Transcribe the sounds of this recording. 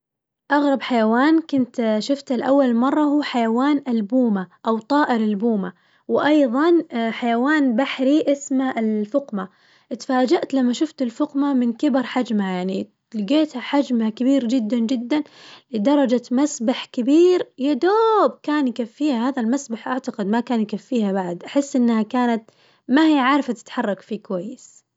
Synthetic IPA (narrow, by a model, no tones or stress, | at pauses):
ʔɑɣɾˤɑbħajawaːnkʊnt̪ʃʊft̪alʔawːalmɑrˤːɑhuːħajawaːnʔalbuːmaʔawt̪ˤɑːʔɪɾɪlbuːma | wɪʔɑjðˤɑnħajawaːnbaħɾiʔɪsmaɪlfʊqma | ʔt̪faːd͡ʒaʔt̪lamːaʃʊft̪ɪlfʊqmamɪnkɪbɑɾˤħad͡ʒmajaʕni | lɪɡeːt̪haħad͡ʒmhakabiːɾd͡ʒɪd̪ːand͡ʒɪd̪ːanlɪd̪ɑɾˤɑd͡ʒamasbaħkɪbiːɾjad̪oːb̚kaːnjkafːiːhahaːðalmasbaħʔaʕt̪aqɪd̪makaːnjkafːiːhabaʕd̪ʔaħɪsːʔɪnːhakaːnat̪ | mahijːaʕaːɾfat̪ɪ̥t̪ħɑrˤːɑkfikwajːɪs